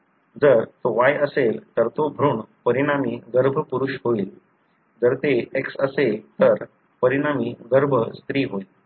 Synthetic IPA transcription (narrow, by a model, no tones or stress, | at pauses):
d͡zəɾt̪oʋajəselt̪əɾt̪obʱɾuːɳpəɾiɽ̃amiːɡəɾbʱəpuɾuɕɦoiːl | d͡zəɾt̪eeksəselt̪əɾ | pəɾiɽ̃amiːɡəɾbʱəst̪ɾiːɦoil